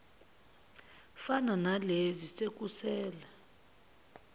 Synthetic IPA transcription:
fananalezisek̬ʼusɛːla

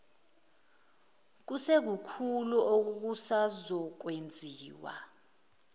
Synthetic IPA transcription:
k̬usek̬ukʰuluʔok̬uk̬usazɔk̬wend͡zʱiːwa̰

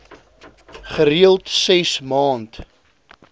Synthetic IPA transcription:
χəɾiəlˠtsɛsmɑːnt

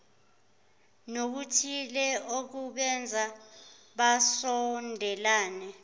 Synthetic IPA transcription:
nok̬utʰilɛok̬uɓɛnd͡zʱa | ɓasɔndʱɛlaːnɛ

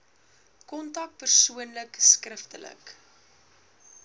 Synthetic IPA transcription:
kɔntɐk̚t̚pərsuənləkskrəftələ̰k

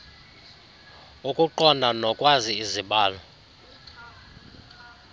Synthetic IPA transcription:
ukʼuǃɔnanɔkʼwaziiziɓaːlɔ

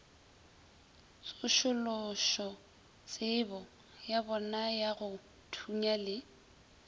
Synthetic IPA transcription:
t͡sʊʃʊlʊʃɔ | t͡sʼɪbɔ | jabɔnajaɣʊ | tʰuɲalɪ

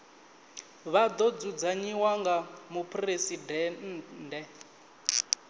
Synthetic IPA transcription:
βad̪ɔd͡zud͡zaɲiwaŋɡamupʰʼresidɛndɛ

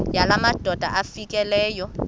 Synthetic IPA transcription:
jalamad̥ʱʼɔdʱa̰ʔafikʼɛlɛːjɔ

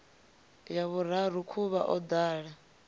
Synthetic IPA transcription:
jaβuɾaɾukʰuβa̰ʔɔd̪aːɺa

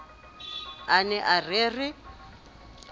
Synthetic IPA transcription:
anɛʔareːrɪ

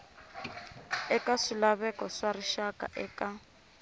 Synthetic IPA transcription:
ɛkaʂilaβɛkɔʂariʃaka̰ʔɛːka

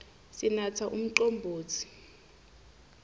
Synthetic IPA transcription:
sinatʰaʔum̩ǃombʱoːt͡sʰi̥

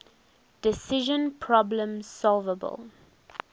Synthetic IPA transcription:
d̥ɪsɪʒə̃npʰɹɔblə̃mz̥sɔlˠvəbə̰lˠ

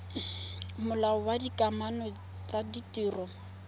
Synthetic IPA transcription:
mʊlaɔwadikʼamanɔ | t͡sʼaditiːrɔ

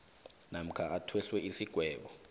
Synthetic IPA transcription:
nam̩kʰaatʰwɛɬwɛʔisiɡ̥ʱwɛːɓɔ

